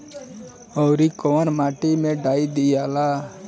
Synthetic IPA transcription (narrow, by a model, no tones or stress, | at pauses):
ɔwɾikoənmaːʈimẽɖaːid̪ijala